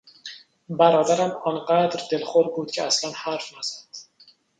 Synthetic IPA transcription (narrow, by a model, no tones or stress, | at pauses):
bæɾɒːd̪æɾæmɒːnɢæd̪ɾd̪e̞lxoɾbuːd̪̥cʰeæslænhæɾfnæz̥æd̪̥